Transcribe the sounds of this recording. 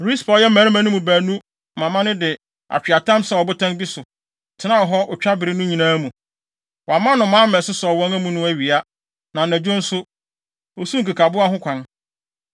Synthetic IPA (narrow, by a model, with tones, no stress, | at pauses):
ɾi˦spʰɔ˨jɛ˦mæ̃˨ɾmæ̃˦nʊ̃˦mũ˨bæː˨nũ˦ | mã˨mã˦nɪ̃˦dɪ˨ | a̰˨t͡ɕᶣɥa˨tʰã˦msɛ˨ɔ˨bʊ˦tʰã˦nbi˦sʊ˨ | tʰɪ˨˦nã˦ɔ˨ɦɔ˦ʔʊ˨t͡ɕᶣa˦bɪ˨ɾɪ˦nũ˦ɲĩ˨nãː˦mũ˨ | wa˨mã˦nʊ̃˨mãː˨˦mɛ̃˨sʊ˦sɔ˨wɔ̃˦ŋæ̃˦mũ˨nʊ̃˦æ˨ɥi˨a˦ | nã˨næ̃˨d͡ʑᶣʊ̃˦n̩˦sʊ˦ | o˨su˦ŋ̩˨ka˨kʰa˨bʊ˦a˦ɦʊ̃˦kʷʰã˨n